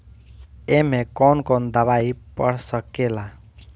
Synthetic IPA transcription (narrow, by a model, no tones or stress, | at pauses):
emekɔnkɔnd̪aβajpʌɽsʌkela